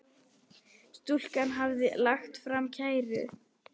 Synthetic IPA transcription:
st̪ul̥kanɦavðɪlaxt̪fɾamcʰaːjɾʏ̰

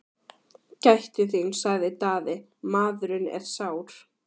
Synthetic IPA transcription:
cajht̪ʏθimsaɣðɪt̪aːðɪ | maːðʏɾʏnɛ̰ɾ̥saːwɾ̥

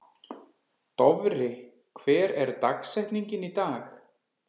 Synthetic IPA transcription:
t̪ɔvɾɪ | kʰvɛːɾɛɾt̪aksɛjht̪niɲcɪnit̪aːx

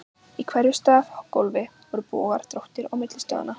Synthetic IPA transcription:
ikʰvɛɾjʏst̪aːθhɔkːolvɪvɔɾʏpɔ̰ːaɾ̥t̪ɾowht̪ɪɾɔɣwmɪt̪lɪst̪œ̰ɣða̰na

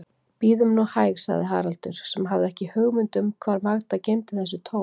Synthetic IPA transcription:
piːðʏmnɔhaːjɣsa̰ɣðɪɦa̰ːɾalt̪ʏ̰ɾ̥sɛmɦavðɪɛhcɪhœɣmʏnt̪ʏmkʰvaːɾmaɣt̪acejmt̪ɪθɛs̬ʏt̪ʰoː

